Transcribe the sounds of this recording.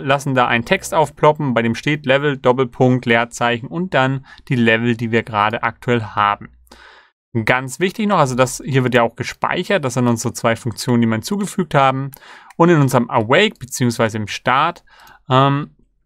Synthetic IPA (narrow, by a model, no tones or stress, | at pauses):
lasn̩daːʔaɪntʰɛkstʔaʊfpʰlɔpm̩baɪɾeːmʃteːtlɛvl̩dɔp̬l̩pʰʊŋk̚tleːɐt͡saɪçn̩ʊnt̚d̥and̥iːlɛvl̩diːviːɐɡəʁaːɾəʔa̰k̚tʰuɛlhaːbm̩ | ɡant͡sv̥ɪçtɪçnɔχʔalzodashiːɐvɪɐtjaːaʊxɡ̥əʃpa̰ɪçɐt̚d̥as̬z̥ɪntʊnzʁət͡sv̥aɪfʊŋk̚t͡sjoːnəndimɐnt͡suːɡəfyːk̚thaːbm̩ʔʊntɪnʔʊnzəʁəmʔɛwɛɪk̚b̥ət͡siːʊŋsv̥aɪzəɪmʃtaɐt | ʔɛːm